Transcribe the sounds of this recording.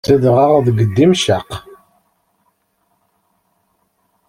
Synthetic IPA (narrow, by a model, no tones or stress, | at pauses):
əðʁaʁðɡəd̪ːimʃaq